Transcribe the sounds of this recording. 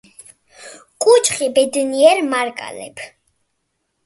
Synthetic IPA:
kʼut͡ʃʰχibɛd̪niɛɾmaɾkʼa̰lɛ̰pʰ

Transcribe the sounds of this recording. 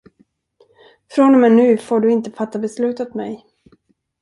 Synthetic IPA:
fɾɔnɔmɛnːʉ̟ːfoːɖɵɪnt̪əfat̪ːabɛslʉ̟ːt̪ɔt̪mɛj

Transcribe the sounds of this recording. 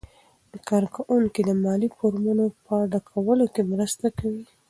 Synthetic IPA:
d̪əkɑɾkawuŋkid̪əmɑlifoɾmunopəɖakʰawəlokemɾəst̪akawi

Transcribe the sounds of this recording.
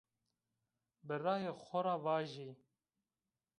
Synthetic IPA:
bɨrɑːjeːxʷɔɾɑːvɑːʒiː

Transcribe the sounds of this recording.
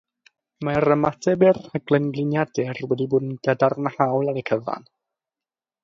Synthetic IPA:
maɾəmatʰɛbɪraɡlˠɛnɡlˠɪnjadɛrwɛdiboːdn̩ɡadarnahawlˠaɾəkʰəva̰n

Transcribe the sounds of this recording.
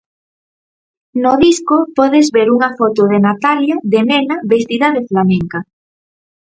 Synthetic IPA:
noðiskopoðezβeɾuŋafot̪oð̞enat̪aljaðemenaβest̪iðaðeflamẽŋka

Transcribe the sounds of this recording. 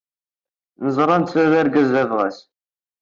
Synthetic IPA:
nəzˤɾˤɑnt̪sæðæɾɡæzævʁæ̰s

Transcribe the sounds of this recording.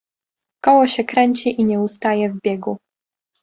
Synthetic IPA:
kɔwɔɕɛkɾɛɲt͡ɕiʔiɲɛust̪ajɛvbʲjɛɡu

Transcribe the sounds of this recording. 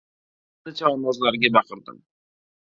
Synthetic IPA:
nɪt͡ʃʰaɔnɒzlaɾɡʲabɑqɨɾd̪ɪ̰m

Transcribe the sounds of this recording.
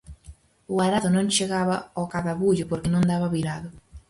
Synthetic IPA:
ʊaɾaðʊnõŋt͡ʃeɣaβaokaðaβuʎʊpoɾkɪnõnd̪aβaβiɾaðʊ

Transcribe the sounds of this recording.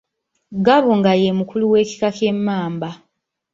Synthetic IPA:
ɡaβuŋɡajemukuluwe̞ːci̥kake̞mːaːmba

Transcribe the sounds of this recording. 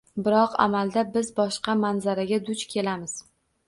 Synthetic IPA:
bɪɾɒqa̰mald̪abɪzbɒʃqɑmanzaɾaɡʲad̪ʊt͡ʃkʲʰe̞lamɪz̥

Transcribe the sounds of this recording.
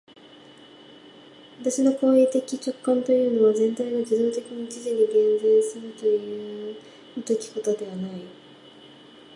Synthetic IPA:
βat̪aɕino̞ko̞ːiːt̪e̞kʲit͡ɕo̞kːãnt̪o̞jɯ̟ːno̞βazẽ̞nt̪aiɡad͡ʑid̪o̞ːt̪e̞kʲiɲ̟it͡ɕiʑid̪eɡẽ̞nzẽ̞ɰ̃sɨɾɯ̟t̪o̞jɯ̟ | t̪o̞kʲi̥ko̞t̪o̞d̪e̞β̞anai

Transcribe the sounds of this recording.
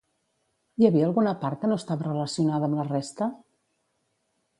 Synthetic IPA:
jəβiəːlˠɣunəpaɾt̪kənost̪aβərələsiunaðəmlərest̪ə

